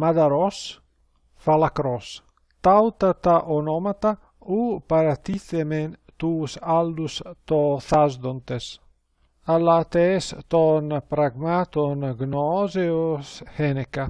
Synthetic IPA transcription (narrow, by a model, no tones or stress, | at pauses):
mad̪aɾɔs | falakɾɔs | t̪awt̪at̪aʔonɔmat̪a | upaɾat̪iθement̪usald̪ust̪ɔθazd̪ont̪es | alat̪est̪ɔnpɾaɡmat̪onɡnɔzeoshɛneka